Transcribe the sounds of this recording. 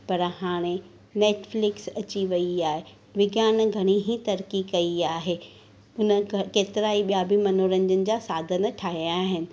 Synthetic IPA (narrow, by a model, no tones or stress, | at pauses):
pɐɾhaːɽ̃e | neːʈflɪksɐt͡ɕiʋɐiaːɦe | ʋɪɡjaːnɡʱɐɽ̃iɦit̪ɐɾkikɐiaːɦeː | ʊnəkeːt̪ɪɾaːiɓijabimɐnoːɾə̃nd͡ʑənɪ̆d͡ʑaːsaːd̪ʱənə̆ʈʰaːɦijaːɦɪnɪ̆